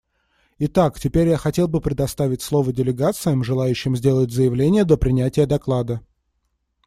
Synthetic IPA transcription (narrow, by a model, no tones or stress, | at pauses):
ɪt̪aktʲɪpʲeɾʲjaxɐtʲe̞lˠbɨpɾʲɪd̪ɐst̪avʲɪtʲslˠo̞vədʲɪlʲɪɡat̪sɨjəmʐɨlˠajʉɕːɪmzʲdʲe̞lˠətʲzəjɪvlʲenʲɪjəd̪əpɾʲɪnʲætʲɪjəd̪ɐklˠad̪ə